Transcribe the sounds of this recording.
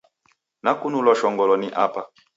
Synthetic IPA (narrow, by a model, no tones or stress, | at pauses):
nakunulɔʃɔŋɡɔlɔniʔapa